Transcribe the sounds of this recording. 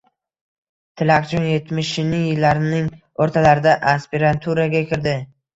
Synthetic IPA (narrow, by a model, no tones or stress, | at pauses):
t̪ʰɪlaqt͡ʃʰɔnje̞t̪mɪʃɪnɪŋjɪlːaɾɪnɪŋ | oɾt̪ʰalaɾɪd̪aʔaspiɾant̪ʰuɾaɡʲakʲʰɪɾd̪ɪ